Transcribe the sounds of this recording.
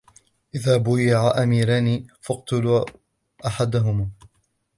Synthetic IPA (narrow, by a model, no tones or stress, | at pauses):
ʔɪðaːbʊjɪʕaʔamiːɾaniːfɑqt̪ʊluː | ʔaħad̪aɦʊm